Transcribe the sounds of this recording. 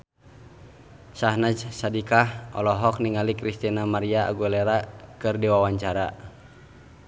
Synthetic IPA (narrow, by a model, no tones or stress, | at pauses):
saɦnad͡ʒsadikahʔɔ̰lɔɦɔk̚niŋalikɾist̪inamaɾiaa̰ɡulɛɾakɨrdiwawaɲt͡ʃaɾa